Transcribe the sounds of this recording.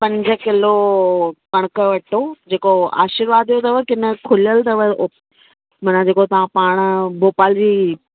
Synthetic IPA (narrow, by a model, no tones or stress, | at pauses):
pɐ̃ɲd͡ʑə̆kɪlo | kɐɽ̃əkəʋɐʈʰod͡ʑeːkoa̰ːʃɪɾʋaːd̪ijot̪ɐʋəkɪnə̆kʰʊliəlt̪ɐʋəo | mɐnãd͡ʑeːkot̪ɐʋ̤ãpaːɽ̃boːpaːld͡ʑiː